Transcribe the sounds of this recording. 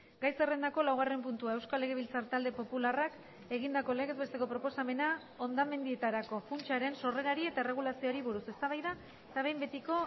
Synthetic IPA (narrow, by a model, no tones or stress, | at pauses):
ɡajse̞re̞nd̪ako̞lawɣ̞are̞mpunt̪uae̞wskalːe̞ɣe̞βilt͡saɾt̪ald̪e̞po̞pularak | e̞ɣ̞ind̪ako̞le̞kezβe̞st̪eko̞pɾo̞po̞same̞na | o̞nd̪ame̞nd̪ie̞t̪aɾako̞funt͡ʃaɾe̞nso̞re̞ɾaɾie̞t̪aere̞ɣ̞ulasio̞ɾiβuɾuse̞st̪aβajða | et̪aβ̞e̞jmbe̞t̪iko̞